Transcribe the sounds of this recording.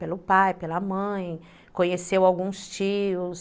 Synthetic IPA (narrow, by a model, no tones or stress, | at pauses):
pelʊpajpelɐmɐ̃j̃ | kõɲesewawɡũst͡ʃiʊs